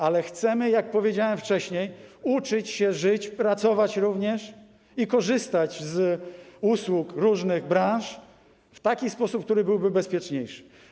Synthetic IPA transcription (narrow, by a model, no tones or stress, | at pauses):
alɛxt̪sɛmɘjak̚pɔvʲjed͡ʑawɛmft͡ʂɛɕɲejut͡ʂɘt͡ɕɕɛʐɘt͡ɕpɾat̪sɔvat͡ɕɾuvɲɛʂ | ikɔʐɘst̪at͡ɕz | uswukɾuʐnɘɣbɾãʂ | ft̪akʲispɔsup̚k̚t̪uɾɘbɘwbɘbɛspʲjɛt͡ʂɲejʂɘ̥